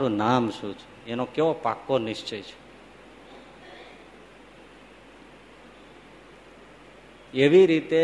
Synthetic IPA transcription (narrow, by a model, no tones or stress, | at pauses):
ɾũnamʃũt͡ʃʰu̥enokeʋopa̰kːonɪʃt͡ʃejt͡ʃʰe̥ | eʋiɾit̪e